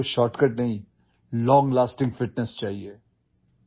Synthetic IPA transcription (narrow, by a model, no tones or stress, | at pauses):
ʃɔːɾʈkəʈ̚nɐɦĩ | lɔ̃ːŋɡlaːsʈɪ̃ŋɡfɪʈnɛst͡ʃaːɦieː